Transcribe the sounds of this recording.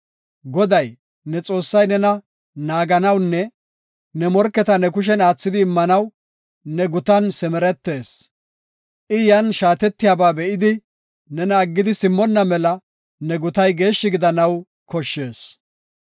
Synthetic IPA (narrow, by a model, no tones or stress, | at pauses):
ɡɔd̪ɐj | nɛt͡sʼo̞ːsːɐjnɛnɐ | naːɡɐnɐwnːɛ | nɛmɔɾkːɛt̪ɐnɛkʊʃ̬ɛnaːt͡sːɪd̪ɪːmːɐnɐw | nɛɡʊt̪ɐnsɛmɛɾɛt̪ːe̞ːs | ʔɪjɐnʃaːt̪ɛt̪ːɪjaːbaːbɛʔɪd̪ɪ | nɛnɐːɡːɪd̪ɪsɪmːɔnːɐmɛlɐ | nɛɡʊt̪ɐjɡe̞ːʃːɪɡɪd̪ɐnɐw | kɔʃːe̞ːs